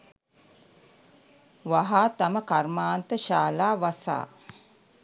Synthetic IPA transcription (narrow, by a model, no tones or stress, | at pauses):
ʋaɦaːt̪aməkarmaːnt̪əʃaːlaːʋasa̰ː